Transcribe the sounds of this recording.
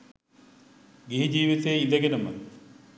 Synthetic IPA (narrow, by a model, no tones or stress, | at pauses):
ɡiɦid͡ʑiːʋit̪ejiləɡenəmə̰